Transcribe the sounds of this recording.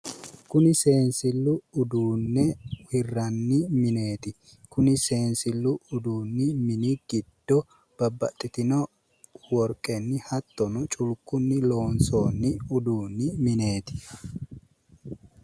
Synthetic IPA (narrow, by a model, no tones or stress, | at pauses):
kʊnɪse̞ːnsɪlːʊːd̪uːnːɛwɪrːɐnːɪmɪne̞ːt̪ɪ | kʊnɪse̞ːnsɪlːʊʊd̪uːnːɪmɪnɪɡ̥ɪd̪̥ːɔ | b̥ɐbːɐ̰t̪ʼːɪt̪ɪnɔ | wɔɾkʼɛnːɪhɐt̪ːɔnʊt͡ʃʼʊlkːʊnːɪlo̞ːnsoːnːɪʊd̪uːnːɪmɪne̞ːt̪ɪ̥